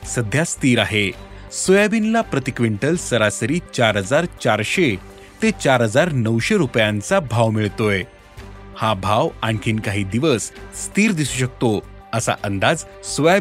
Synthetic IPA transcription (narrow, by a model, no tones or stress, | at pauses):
səd̪ʱjast̪iːɾaɦe | sojaʋinlapɾət̪ikʋeɳʈəlsəɾasəɾiːt͡ɕaɾɦəd͡zaɾt͡ɕaɾɕe | t̪et͡ɕaɾɦəd͡zaɾnəʋɕeɾupjãnt͡sabʱaʋmiɭt̪oj | habʱaʋaɳkʰiːnkaɦiːd̪iʋəsːt̪iːɾd̪isuːɕək̚t̪o | əsa̰ʔənd̪ad͡z | soja